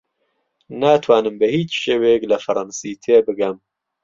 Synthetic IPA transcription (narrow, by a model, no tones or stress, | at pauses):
naːt̪ʰwaːnɨmbɨhiːt͡ʃʃeːwejklɐfɐɾˤɑnsiːt̪ʰeːbɨɡɛm